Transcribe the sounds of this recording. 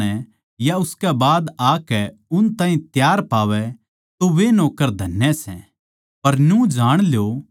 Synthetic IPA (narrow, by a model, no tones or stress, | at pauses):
ɛ | jaʊskɛbaːd̪aːkɛʊnt̪aːɦĩt̪jaːɾpaːʋɛ | t̪oʋenoːkəɾd̪ʱɐnjɛsɛ̃ | pɐɾnjũd͡ʒaːɽ̃ljo